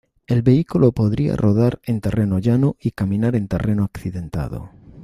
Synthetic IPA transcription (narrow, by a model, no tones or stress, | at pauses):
e̞lβe̞ikulopo̞ðɾia̰rʔoð̞aɾe̞nt̪ere̞noʎanoikamĩnaɾe̞nt̪e̞rʔe̞noakθiðe̞nt̪a̰ðo̰